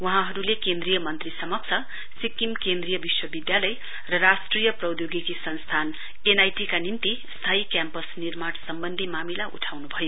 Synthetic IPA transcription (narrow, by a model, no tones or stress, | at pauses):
wʌɦãɦʌɾulekend̪rijʌmʌnt̪risʌmʌk̚t͡sʰʌ | sikimkend̪rijʌbiswʌbid̪jalʌj | rʌrasʈrijʌprʌwd̪joɡikisʌnst̪ʰan | enajʈikanint̪i | st̪ʰaikjampʌsnirmansʌmbʌnd̪ʱimamilaʔṵʈʰawnubʱʌjo